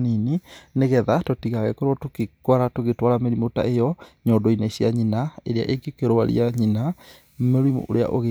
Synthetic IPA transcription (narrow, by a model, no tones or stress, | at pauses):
ninineɣɛðatɔtiɣaɣɛkoɾɔtokekwaɾatoɣetwaɾameɾimota̰ejɔɲɔːndɔineɕiaɲinaeɾea̰ʔeɡekeɾwaɾḭaɲina | meɾwimo̰ʔo̰ɾea̰ʔoɣe